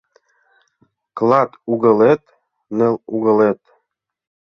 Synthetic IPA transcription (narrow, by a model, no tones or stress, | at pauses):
klˠɑt̪uɣɤ̆let̪ | nĕluɣɤ̆let̪